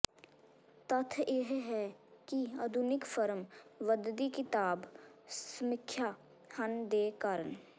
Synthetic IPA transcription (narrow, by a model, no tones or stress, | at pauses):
t̪ɐt̪ʰjeɦɦɛkiɐd̪ʱʊnɪkfəɾəmʋəd̪d̪ikɪt̪aːbsmɪkʰːjaː | hɐnd̪eːkaːɾən